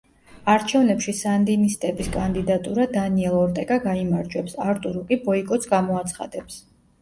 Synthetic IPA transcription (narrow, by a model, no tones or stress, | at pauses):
aɾt͡ʃʰɛvnɛpʃisand̪inist̪ʼɛbiskʼand̪id̪at̪ʼuɾad̪aniɛlˠɔɾt̪ʼɛkʼaɡaimaɾd͡ʒwɛpsaɾt̪ʼuɾukʼibɔikʼɔt̪sʰɡamɔat̪sʰχa̰d̪ɛps